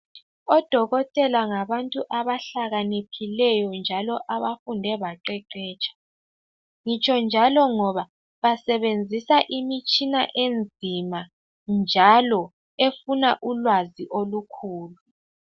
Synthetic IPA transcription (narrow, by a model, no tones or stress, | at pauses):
ɔd̥ʱɔɣɔtʼɛlaŋaβantʼuʔaβaɬaɣanipʰilɛjɔnd͡ʒʱalɔʔaβafundʱɛβaǃɛǃɛːt͡ʃʰʼḁ | ŋit͡ʃʼɔnd͡ʒʱalɔŋɔβa | βasɛβend͡zʱisaʔimit͡ʃʼinaʔend͡zʱima | nd͡ʒʱalɔ | efunaʔulwaziʔolukʰuːlu